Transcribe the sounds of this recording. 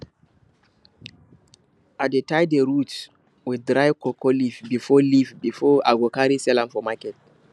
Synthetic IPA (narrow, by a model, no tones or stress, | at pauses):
ʔadetajdeɹut | widɹajkɔkʰɔlifbifɔlivbifɔʔaɡokaɾisɛlãmfɔmakɛt̚